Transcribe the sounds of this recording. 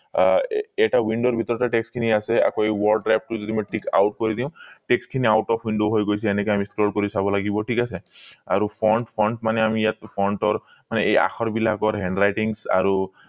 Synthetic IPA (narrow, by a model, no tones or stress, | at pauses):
eʈawiɳɖoɾbʱit̪ɔɾɔʈaʈekskʰiniasea̰kɔejwɔɾɖɾap̚ʈuzɔd̪imɔʈika̰wʈ̚koɾid̪ĩʊ̃ʈekskʰiniawʈɔpʰwiɳɖoɦojɡojsʰiɛnekɔamisklɔɖkɔɾisabɔlaɡibɔʈʰikasʰea̰ɾupʰɔɳʈpʰɔɳʈmaneamijat̪̚pʰɔɳʈɔɾ | maneeja̰xʰɔɾbilakɔɾɦɛɳɖɾajʈiŋsa̰ɾu